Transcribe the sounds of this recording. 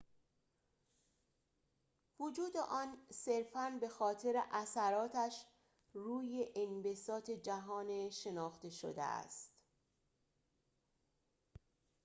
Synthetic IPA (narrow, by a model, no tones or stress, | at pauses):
vod͡ʒuːd̪ḛʔɒːnseɾfænbe̞xɒːt̪ʰe̞ɾe̞̰ʔæsæɾɒːt̪ʰæʃ | ruːje̞ʔenbesɒːt̪ʰe̞d͡ʒæɦɒːneʃe̞nɒːxt̪e̞ʃo̰d̪ḛæ̰st̪